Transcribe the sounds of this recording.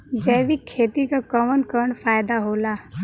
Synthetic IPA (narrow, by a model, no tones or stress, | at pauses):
d͡ʒɛːʋɪkʰːeːt̪ikakɔːmənkəɾəɳfaːɪd̪aɦoːlaː